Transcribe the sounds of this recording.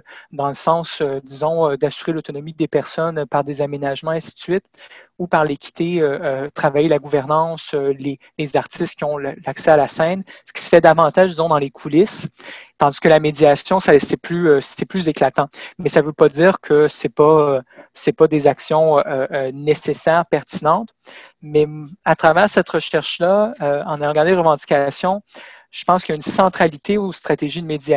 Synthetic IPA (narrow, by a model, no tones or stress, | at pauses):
d̪ɑ̃ləsɑ̃sød̪izɔ̃ød̪asyʁelot̪ɔnɔmid̪epɛʁsɔnpaʁd̪ezamenaʒmɑ̃ɛ̃si̥t̪sɥɪt̪upaʁlekʲʰi̥t̪ʰeøøt̪χavajelaɡuvɛʁnɑ̃søle | lezaʁt̪ʰɪst̪̚kʲiɔ̃llaksɛalasɛ̃nsə̥kʲi̥sə̥fɛd̪avɑ̃t̪aːʒd̪izɔ̃d̪ɑ̃lekʰulɪst̪ɑ̃d̪i̥skəlamed̪iasjɔ̃sasɛplyøsɛplyzeklat̪ɑ̃mɛsavøpad̪iːʁkʰəsɛpasɛpad̪ezaksjɔ̃øøːnesesɛːʁpɛʁt̪inɑ̃t̪ | mɛat̪χavɛːʁsɛt̪ʁəʃɛʁʃlaøɑ̃najɑ̃ɡaʁd̪elʁəvɑ̃d̪i̥kʲasjɔ̃ | ʒ̥ə̥pɑ̃skʲjaynsɑ̃t̪χalit̪eust̪χat̪eʒid̪əmed̪ia